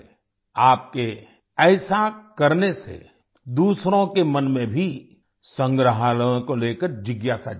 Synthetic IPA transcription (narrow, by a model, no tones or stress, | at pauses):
aːp̚ke | ɛːsakɐɾnesḛ | d̪uːsɾõkemɐnmẽbʱi | sə̃ŋɡɾəɦaːlõkoleːkəɾd͡ʒɪɡjaːsa̰